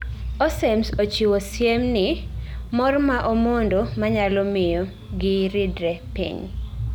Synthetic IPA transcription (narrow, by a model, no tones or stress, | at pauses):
ɔsɛmsot͡ʃiwosjemnɪmɔrmaʔomondomaɲalɔmɪjo | ɡɪɾɪdɾɛpḭɲ